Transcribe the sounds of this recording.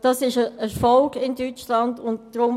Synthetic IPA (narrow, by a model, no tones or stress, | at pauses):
d̥ɑsɪʃəəfɔlɡɪndyt͡ʃlɑndʊntd̥ɾʊm